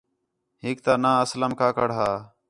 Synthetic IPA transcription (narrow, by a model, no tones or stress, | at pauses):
ɦɪk̚t̪aːnãːəsləmkaːkəɽɦaː